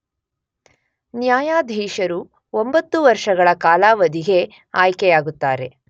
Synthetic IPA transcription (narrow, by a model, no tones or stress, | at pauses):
njaːjaːd̪ʱiːʃɐɾu | ombɐt̪ːuʋɐɾʂɐɡɐɭɐkaːlaːʋɐd̪iɡe̞ | aːjkɛjaːɡut̪ːaːɾe̞